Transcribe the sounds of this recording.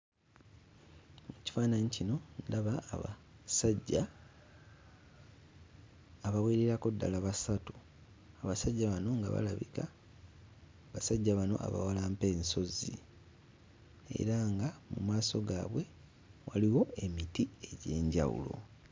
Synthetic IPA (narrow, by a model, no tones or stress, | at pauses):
muci̥faːnaɲicino̞ndaβaːβasaɟːa | βaweːɾeɾako̞dːalaβasatu̥ | aβasaɟːaβano̞ŋɡa̰βa̰laβika | βasaɟːaβano̞̰ʔa̰βa̰walaːmpe̞ːnso̞zḭ | ḛɾaŋɡamumaːso̞ɡaβwe̞ | waliwo̞e̞mitie̞ɟe̞ːɲɟa̰wṵlo̞̰